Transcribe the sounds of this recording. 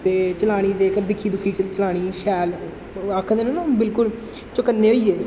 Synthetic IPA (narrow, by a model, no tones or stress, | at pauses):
t̪eːt͡ʃəlaːɽ̃iːd͡ʒeːkəɾd̪ɪkʰːiːd̪ʊkʰːiːt͡ʃt͡ʃəlaːɽ̃iːʃɛːl | akʰːd̪eːnõːnãːbɪlkʊl | t͡ʃʊkənːẽːɦoiːeː